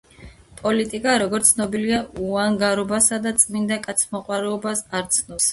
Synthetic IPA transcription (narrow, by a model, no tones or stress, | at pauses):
pʼɔlit̪ʼikʼaɾɔɡɔɾt̪sʰnɔbiliauaŋɡaɾɔbasad̪at̪sʼmind̪akʼat̪sʰmɔqʼwaɾɛɔbasaɾt̪sʰnɔs